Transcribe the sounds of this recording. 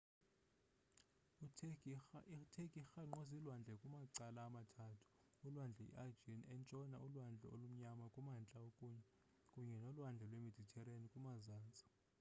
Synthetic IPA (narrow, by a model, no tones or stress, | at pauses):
itʰekʼixaŋ͡ǃozilwand͡ɮʱɛkʼumaǀalaːmatʰaːtʰu̥ː | lwand͡ɮʱɛḭʔad͡ʒinɛnt͡ʃʼɔnaʔulwand͡ɮʱɛ̰olum̩ɲamakʼumant͡ɬʼaokʼuɲɛ | kʼuɲɛnɔlwand͡ɮʱɛlwemed̥ʱitʰɛrenikʼumazaːnt͡sʼi̥